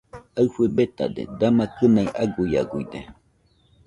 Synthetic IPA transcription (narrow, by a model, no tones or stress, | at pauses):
aɸebet̪a̰d̪ḛd̪amakənajʔaɡʊja̰ɡʊjd̪e